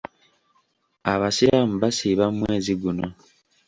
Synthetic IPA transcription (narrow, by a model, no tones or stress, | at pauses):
aβasiɾamuβasiːβammwe̞ːziɡuno